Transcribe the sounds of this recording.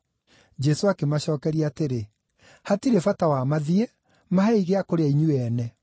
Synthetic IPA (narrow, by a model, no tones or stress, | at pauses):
d͡ʒɛsoakemaɕɔːkɛɾiaːteɾe | hatiɾefatawamaðie | maɦɛiɣeakoɾeaiɲuɛːnɛ